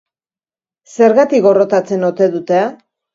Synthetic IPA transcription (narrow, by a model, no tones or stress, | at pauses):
se̞ɾɣat̪ikɣo̞ro̞t̪at͡se̞no̞t̪e̞ðut̪ea